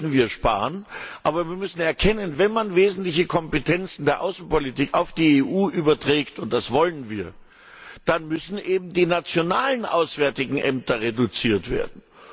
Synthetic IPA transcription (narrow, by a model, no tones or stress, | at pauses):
n̩viːɐʃpa̰ːʁənʔaːbɐviːɐmʏsn̩ɛɐkʰɛnənvɛnmanveːzn̩tlɪçəkʰɔmpetʰɛnt͡sn̩deːɐʔaʊsn̩politiːkaʊfd̥iːeːʔuːʔyːbɐtʁ̥ɛːktʊnt̚d̥asv̥ɔlənviːɐ | d̥anmʏsn̩ʔeːbm̩diːnat͡sjonaːlənʔa̰ʊsv̥ɛɐtɪɡŋ̩ʔɛmtɐʁedʊt͡siːɐtv̥ḛːɐdn̩